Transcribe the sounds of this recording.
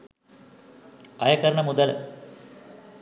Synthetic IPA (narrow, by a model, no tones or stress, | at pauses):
ɐjɐkɐɾɐɳɐmud̪ɐl̰